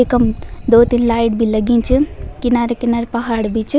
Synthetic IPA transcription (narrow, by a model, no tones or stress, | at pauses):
ekɐmd̪oːt̪inlaːjʈ̚bʱilɐɡĩnt͡ʃʰɨkinaːɾekinaɾepɐɦaːɽbʱit͡ʃ